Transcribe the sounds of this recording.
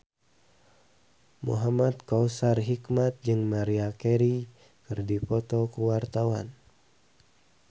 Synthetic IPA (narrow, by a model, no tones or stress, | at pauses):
mṵɦamat̪̚kɔusarɦikmat̪̚d͡ʒɨŋmaɾiakɛɾi | kɨrdipɔt̪ɔkuwart̪awan